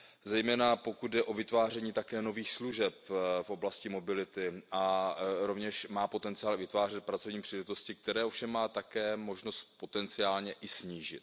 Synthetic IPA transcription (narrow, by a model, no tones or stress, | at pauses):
zɛjmɛːnapo̞kud̪̚dɛʔo̞vɪt̪vaːrɛɲiːt̪akɛːno̞viːxsluʒɛpfʔo̞blascɪmo̞bɪlɪt̪ɪʔaɾo̞vɲɛʃmaːpo̞t̪ɛnt͡sɪaːlvɪt̪vaːr̝ɛt̪̚pɾat͡so̞vɲiːpr̝̥iːlɛt̪o̞scɪk̚t̪ɛɾɛːʔofʃɛmːaːt̪akɛːmo̞ʒno̞st̪̚po̞t̪ɛnt͡sɪaːlɲɛʔɪsɲiːʒɪ̰t̪